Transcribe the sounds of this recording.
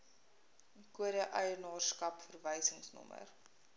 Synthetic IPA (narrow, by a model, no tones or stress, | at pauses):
kuəɾəʔœjərnɑːrskɐpfərvəjsəŋsnɔ̰mə̰r